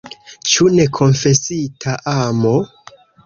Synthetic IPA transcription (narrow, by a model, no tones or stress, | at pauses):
t͡ʃune̞kʰo̞nfe̞sitʰaʔamo